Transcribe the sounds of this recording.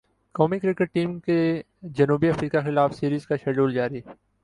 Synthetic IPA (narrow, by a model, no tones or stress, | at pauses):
kɔːmikɾɪkəʈ̚ʈiːmke | d͡ʒɐnuːbiɐfɾiːkaxɪlaːfsiːɾiːzkaʃɛːɖuːld͡ʒaːɾi